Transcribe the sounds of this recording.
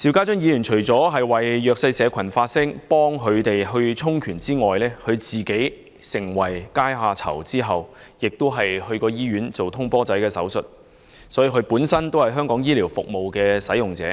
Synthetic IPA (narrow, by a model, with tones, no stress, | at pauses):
siː˨˧wkaː˥t͡sɵ˥njiː˨˧jyː˨˩nt͡ʃʰɵ˨˩ɥt͡sɔː˨˥ɦɐ˨jwɐ˨jːœː˧k̚sɐ˧jsɛː˨˧kʷʰɐ˨˩nfaː˧t̚sɪ˥ŋpɔː˥ŋɦʰɵ˨˧ɥt̪e˨jɦɵ˧ɥt͡sʰʊ˥ŋkʰyː˨˩nt͡siː˥ŋɔː˨jlɛː˥kʰɵ˨˧ɥt͡siː˨ke˨˥j | sɪ˨˩ŋwɐ˨˩jkaː˥jɦaː˨˧t͡sʰɐ̰˨˩wt͡siː˥ɦɐ˨w | jɪ˨k̚t̪o˥wɦɐ˨jhɵ˧ɥkɔː˧jiː˥ɥyː˨˥nt͡so˨wt̪ʰʊ˥ŋpɔː˥t͡sɐ˨˥jkɛː˧sɐ˨˥wsɵ˨t̚ | sɔː˨˥jiː˨˧kʰɵ˨˧puː˨˥nsɐ˥nt̪o˥whɐ˨jɦœː˥ŋkɔː˨˥ŋjiː˥liː˨˩wfʊ˨k̚mo˨wkɛː˧sɐ˨˥jʊ˨ŋt͡sɛ̰ː˨˥